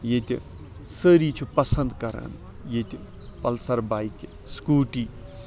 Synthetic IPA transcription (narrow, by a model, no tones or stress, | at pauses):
jet̪ʲḭ | səɾiːt͡ʃʰupɐsɐnd̪kɐɾa̰ːn | jet̪ʲi | pɐlsɐɾbaːjke | skuːʈiː